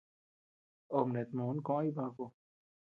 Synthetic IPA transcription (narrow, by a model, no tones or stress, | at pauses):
omnet̪moːnkõːibaːko